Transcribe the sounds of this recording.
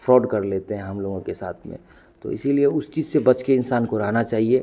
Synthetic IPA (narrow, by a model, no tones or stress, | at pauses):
fɾɔːɖkɐɾleːt̪eɦɛ̃ɦɐmloːɡõkesa̰ːt̪ʰmḛ̃ | t̪o̰ːɪsilieʊst͡ʃiːzsebɐt͡ʃkeɪnsaːnkoɾɐɦnat͡ʃaːɦie